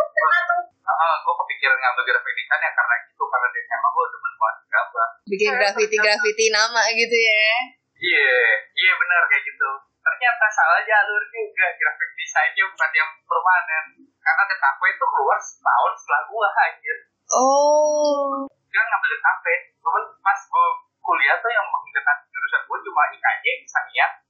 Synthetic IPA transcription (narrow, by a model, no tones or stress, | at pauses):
əat̪ʊ | əʔəɡuakəpikiɾanɡabəbiɾapedikanjakarnaɡit̪ukarnadit̪amaɡuaudabəntuat̪̚ɡababikɪnɡɾafit̪iɡɾafit̪inamaɡit̪uja | ijaijabənərɲaɡit̪u | t̪ərɲat̪asalad͡ʒalʊrd͡ʒuɡaʔɡɾafik̚d̪isaind͡ʒubukat̪jaŋpərmanɛn | karnadəkapɛt̪ukəluarsə̥t̪a̰ʊnsəlalulaɦad͡ʒɪ | ʔɔ | kaaŋɡabədəkapɛt̪uɦanmaskol | kuliat̪ʊjaŋmakidəkat̪̚diɾusat̪̚kunt͡ʃumalaɡika̰d͡ʒɛbisaniat̪̚